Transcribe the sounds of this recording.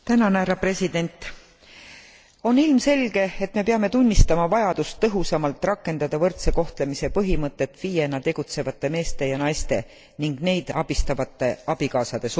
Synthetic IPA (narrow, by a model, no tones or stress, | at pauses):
t̪ænɑnæɾɑpre̞sʲid̪̥e̞nʲt̪ˑ | o̞nilmse̞lʲɡ̥e̞et̪me̞peɑme̞t̪unʲːist̪ɑmɑvɑjɑd̪ust̪ːɤɦusɑmɑlt̪ːˑrɑkːˑe̞nd̪ɑd̪̥ɑvɤrt̪se̞ko̞ht̪le̞mise̞pɤɦimɤt̪ːˑe̞t̪ːviːje̞nːɑt̪e̞ɡ̥ut̪se̞vɑt̪ˑːe̞me̞ːst̪e̞jɑnɑjst̪e̞̰ | niŋɡ̥ne̞jd̪̥ɑb̥ist̪ɑvɑt̪ːˑe̞ɑb̥ikɑːsɑd̪̥e̞s